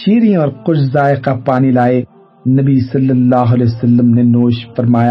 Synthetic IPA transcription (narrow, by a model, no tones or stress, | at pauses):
ʃiːɾĩɔːɾqʊʃʰzaːɪqapaːnilaːe | nɐbisɐlːəlːaːɦɐleːsɐlːəmnenoːʃfɐɾmaːja